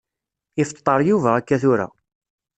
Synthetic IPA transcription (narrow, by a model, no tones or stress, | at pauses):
ɪft̪ˤːɑɾˤjuvæækːæθʊɾa̰